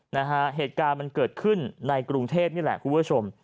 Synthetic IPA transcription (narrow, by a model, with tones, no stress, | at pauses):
na˦˥kʰa˦˥ɦeː˨˩t̪̚kaː˧nma˧nkɤː˨˩t̪̚kʰɯ˥˩nːa˧jkɾu˧ŋt̪ʰeː˥˩p̚ni˥˩lɛ̰˨˩ʔkʰu˧pu˦˥˩t͡ɕʰo˧m